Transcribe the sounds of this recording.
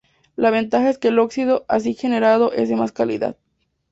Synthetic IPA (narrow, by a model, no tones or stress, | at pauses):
laβ̞e̞nt̪axae̞ske̞lo̞ksiðo̞ʔas̬ixe̞ne̞ɾað̞o̞ʔe̞̰zðe̞maskalḭða̰ð